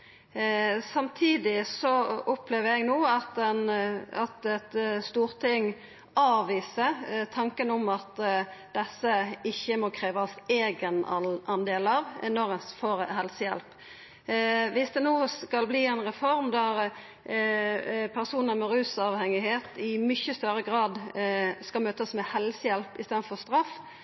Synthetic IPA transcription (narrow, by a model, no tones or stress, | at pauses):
sɑmt̪ʰiːd̪ɪsɔʊpleːʋəɛɡnoːɑt̪ɛnɑt̪ɛt̪st̪uːɾt̪ʰɪŋ | ɑːʋiːsət̪ʰɑŋkənɔmɑt̪d̪̥ɛsːəɪçːəmɔkʰɾeːʋɑseːɡənɑnd̪eːlɑʋnɔʁəsfoɾhɛlsəjɛ̰lp | ʋɪsd̪ɛnoːskɑlbliːɛnʁɛfɔɾmd̪æɾ | pʰæʁsuːnəmɛɾʉːsɑʋhɛŋɪheːt̪ɪmʏçəst̪œɾəɡɾɑːd̪skɑlmøːt̪əsmɛhɛlsəjɛlpɪst̪eːd̪fɔʁst̪ɾɑf